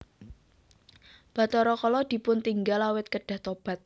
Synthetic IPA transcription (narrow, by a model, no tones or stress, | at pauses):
b̥a̤t̪ɔɾɔkɔlɔd̪̥i̤pʊnt̪iŋɡalawɪt̪̚kəɖ̥a̤ht̪ɔb̥a̤t̪̚